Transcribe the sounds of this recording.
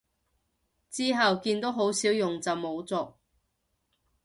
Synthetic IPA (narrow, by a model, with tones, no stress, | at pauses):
t͡siː˥ɦɐ˨wkiː˧nt̪o˥wɦo˨˥wsiː˨˥wjʊ˨ŋt͡sɐ˨wmo˨˧wt͡sɔː˨k̚